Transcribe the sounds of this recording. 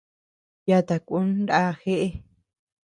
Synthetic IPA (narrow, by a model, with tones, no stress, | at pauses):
ja˧t̪a˨kʷu˦n˦ɾa˦xe˦ʔe˦